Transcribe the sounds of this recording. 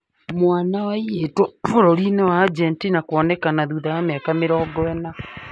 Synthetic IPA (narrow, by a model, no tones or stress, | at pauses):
mwaːnawaietooɾoɾinɛwad͡ʒɛntinakwɔnɛkanaðuðaameakameɾɔːɡɔɛna